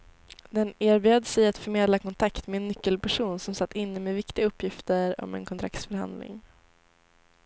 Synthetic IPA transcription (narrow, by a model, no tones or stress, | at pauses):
d̪ɛneːɾbyːad̪əsɛjat̪fœɾmeːd̪lakʰɔnt̪ʰakt̪mɛːnːʏkːəlpæʂuːnsɔmsat̪ːɪnːəmeːvɪkt̪ɪɡaɵpːjɪft̪əɾɔ̰mɛ̰nkʰɔnt̪ʰɾa̰kt̪sfœɾha̰nd̪lɪ̰ŋ